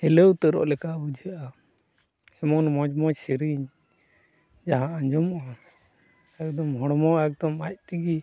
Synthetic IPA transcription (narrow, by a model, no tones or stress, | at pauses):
ɛlewt̪əɾɔ̰ʔlɛkaʔbud͡ʒiʔa | ɛmɔnmɔd͡ʒmɔd͡ʒsiɾiɲ | d͡ʒaɦãaɲd͡ʒɔmʔa | ɛk̚d̪ɔmɦɔɽɔmɔɛk̚d̪ɔmac̚t̪iɡi